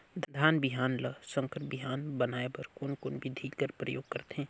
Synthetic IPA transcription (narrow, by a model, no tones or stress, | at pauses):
d̪d̪ʱaːnbɪɦaːnləsə̃ŋkəɾbɪɦaːnbənaːebɐɾkoːnkoːnbʱid̪ʱiɡəɾpɾəjo̰ːɡ̚kəɾt̪ɦẽː